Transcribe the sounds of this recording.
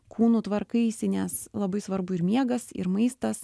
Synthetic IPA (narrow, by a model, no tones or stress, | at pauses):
kʰuːnut̪ʋɐɾkɐɪiːsʲɪnʲɛslˠɐbɐɪsʋɐɾbʊɪɾmʲiɛɡɐsɪ̰ɾmɐɪst̪ɐs